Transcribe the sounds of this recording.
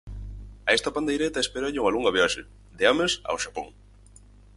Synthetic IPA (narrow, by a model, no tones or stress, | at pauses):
aest̪apand̪ejɾet̪aespeɾoʎɪuŋaluŋɡaβeɔʃɪ | d̪eamesa̰wʃapoŋ